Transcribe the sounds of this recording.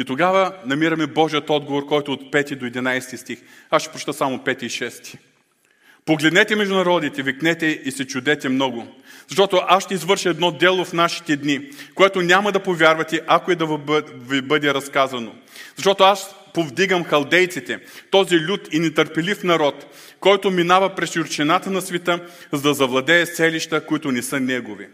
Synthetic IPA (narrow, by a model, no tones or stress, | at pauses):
it̪oɡavɐnɐmiɾɐmɛbɔʒijət̪ɔd̪ɡovoɾkɔjt̪ʊːt̪pɛt̪id̪oɛd̪inajsɛ̥t̪ist̪ix | asʃɛ̥pɾot͡ʃt̪əsamopɛt̪iːʃɛst̪i̥ | poɡlɛd̪nɛt̪ɛmɛʒd̪ʊnɐɾɔd̪it̪ɛviknɛt̪ɛisɛt͡ʃʊd̪ɛt̪ɛmnɔɡʊzɐʃt̪ɔt̪oʔasʃt̪ɛizvɤɾʃɐɛd̪nɔd̪ɛlˠofnaʃi̥t̪ɛd̪nikoɛt̪onʲamɐd̪ɐpovʲjaɾvɐt̪ɛʔɐkoɛd̪ɐvibɤd̪ɛɾɐskazɐno | zɐʃt̪ɔt̪oas | povd̪iɡɐmxɐlˠd̪ɛjt̪sit̪ɛt̪ɔzilʲut̪inɛt̪əɾpɛlifnɐɾɔt̪ | kɔjt̪ominavɐpɾɛsjuɾt͡ʃɛnat̪ənɐsvɛt̪ə | zɐd̪ɐzɐvlˠɐd̪ɛːsɛliʃt̪əkʊit̪ʊnɛsɤnɛɡovḭ